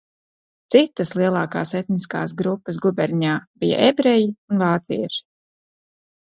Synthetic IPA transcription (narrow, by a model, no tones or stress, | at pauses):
t̪sit̪ːaslˠiɛlˠaːka̰ːset̪niska̰ːsɡɾupːəsɡubʲɛɾɲaːb̥ija̰ʔebɾɛjiunvaːt̪sḭɛʃi̥